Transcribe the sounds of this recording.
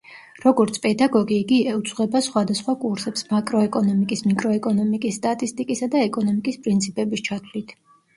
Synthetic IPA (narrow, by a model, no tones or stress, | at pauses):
ɾɔɡɔɾt̪sʰpʼɛd̪aɡɔɡiːɡiɛut̪sʼʁwɛbasχwad̪asχwakʼuɾsɛpsmakʼɾɔɛkʼɔnɔmikʼismikʼɾɔɛkʼɔnɔmikʼisːt̪ʼat̪ʼist̪ʼikʼisad̪aɛkʼɔnɔmikʼispʼɾint̪sʰipʼɛbist͡ʃʰat̪ʰlit̪ʰ